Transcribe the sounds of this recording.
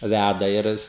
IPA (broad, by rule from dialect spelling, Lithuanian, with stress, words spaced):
ˈʋʲædɐ ɪr ˈɪs